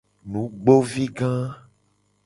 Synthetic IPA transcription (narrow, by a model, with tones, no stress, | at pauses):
nũ˨˦ɡ͡bo˦vi˦ɡã˦